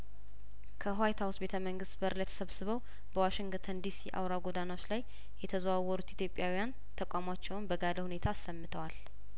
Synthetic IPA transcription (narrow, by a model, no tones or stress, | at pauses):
kʰəɦwajt̪ʰawsbe̞t̪ʰəməŋɡɨst̪bəɾlət̪ʰəsəβsɨβəw | bəwaʃɪŋɡt̪ʰənd̪isḭʔa̰wɾaɡod̪anot͡ʃːlaj | jɛt̪ʰəzəwawːɔɾut̪it̪jo̞pʼːjawijan | t̪ʰəkʷʼamat͡ʃːɛwʊnbəɡaləhune̞t̪ʰaːsːəmːɨt̪ʰəwal